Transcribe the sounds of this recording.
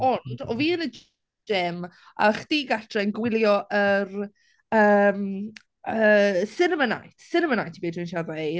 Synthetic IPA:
ɔnd̥ɔviːənəd͡ʒ | ɪm | ʔa̰χd̥iːɡatʰrɛnɡwɪlˠjɔʔər | əːm | əsɪnəməna̰jtʰsɪnəmənajtʰibeːdinʃaðae

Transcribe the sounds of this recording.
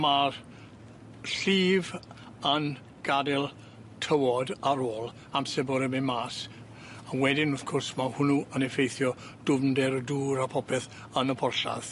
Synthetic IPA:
mar | ɬiːv | ən | ɡ̥adɛlˠ | tʰəwɔdaɾoːlˠ | amsɛboɾɛmemaːs | awɛdɪnʊθkʰʊrsmahʊnuənɛfejθjɔ | d̥ʊmndɛɾduːɾapʰɔpʰɛθ | ənəpʰɔrɬa̰ð̥

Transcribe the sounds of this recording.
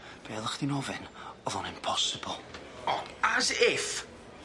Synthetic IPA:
b̥eːlˠəχd̥inɔvɛnɔðɔnɪmpʰɔsɪbɔlˠ | ɔazɪf

